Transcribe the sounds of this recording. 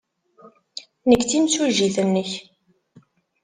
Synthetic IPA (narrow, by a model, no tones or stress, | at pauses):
nəkːt͡simt͡suʒiθənːəç